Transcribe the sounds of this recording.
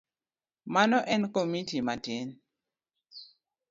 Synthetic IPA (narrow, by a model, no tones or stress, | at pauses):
manɔʔɛnkomitimaten